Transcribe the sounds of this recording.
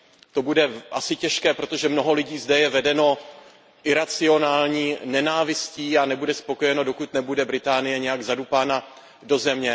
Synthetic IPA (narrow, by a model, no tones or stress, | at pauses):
t̪o̞budɛʔasɪcɛʃkɛːpɾo̞t̪o̞ʒɛmno̞ɦo̞lɪɟiːzdɛjɛvɛdɛno̞ | ʔɪɾat͡sɪo̞naːlɲiːnɛnaːvɪsciːanɛbudɛspo̞ko̞jɛno̞do̞kut̪nɛbudɛbɾɪt̪aːnɪjɛɲɛjaɡzadupaːna | do̞zɛmɲɛ